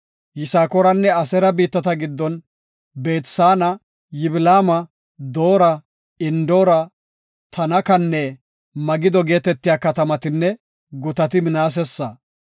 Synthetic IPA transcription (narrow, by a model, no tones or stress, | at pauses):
jɪsaːkɔɾɐnːɛɐsɛɾɐbiːt̪ːɐt̪ɐɡɪd̪ːɔn | be̞ːt̪saːnɐ | jɪbɪlaːmɐ | d̪o̞ːɾɐ | ɪnd̪oːɾɐ | t̪ʰɐnɐkɐnːɛ | mɐɡɪd̪ɔɡe̞ːt̪ɛt̪ːɪjaːkɐt̪ɐmɐt̪ɪnːɛ | ɡʊt̪ɐt̪ɪmɪnaːs̬ɛsːɐ